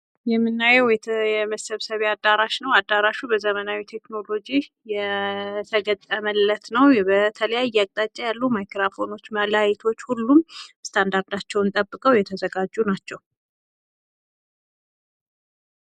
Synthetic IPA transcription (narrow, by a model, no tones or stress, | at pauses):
jɛmːɨnːajɛwɛt̪jɛməsəβsəβead̪aɾaʃnəwad̪ːaɾaʃubəzəmənawit̪ʰe̞kno̞lo̞d͡ʒi | jɛt̪ʰəɡət̪ʼːəməlːət̪nəwbət̪ʰələjajːakʼt̪ʼat͡ʃʼːajalːumajkɾafo̞no̞t͡ʃːməlajɛt̪ʰo̞t͡ʃːhulːumst̪ʰand̪aɾd̪at͡ʃːɛwnt̪ʼəbːɨkʼəwjɛt̪ʰəzəɡad͡ʒːunat͡ʃːɛw